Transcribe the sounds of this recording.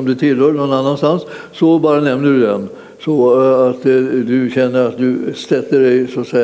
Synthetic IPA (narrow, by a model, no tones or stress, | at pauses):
ɔmd̪ɛt̪ʰɪlhøːɳɔnːanːanst̪ansː | ɔbɑːɾanɛmnəɖʉd̪ɛn | sɔat̪ːd̪ɵɕɛnːəɾat̪d̪ɵst̪ɛt̪ːəɖɛɪsʊat̪sɛj